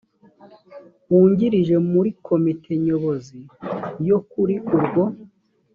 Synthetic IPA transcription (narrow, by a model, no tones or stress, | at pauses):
uːɲɟiɾiʒe̞muɾikʰo̞mitʰe̞ɲo̞βozijo̞kuɾiʔuɾɡwo̞